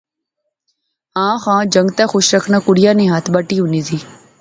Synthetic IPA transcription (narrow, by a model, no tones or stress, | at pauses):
ãːxãːd͡ʒəŋɡt̪axʊʃɾəkʰnãːkʊɽɪjaːnẽːɦat̪ʰbaʈiːɦuniːziː